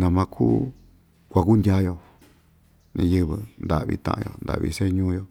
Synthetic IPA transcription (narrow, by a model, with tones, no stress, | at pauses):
nã˨˧mã˧kʰu˦ | kʷa˧ku˦ndʲa˦jo˧ | nĩ˧jɨ˧βɨ˧nd̪a˨βḭ˧t̪ã̰˧ʔã˧jo̰˧˨nd̪a̰˨ʔβḭ˧se˦ɲũː˦jo˧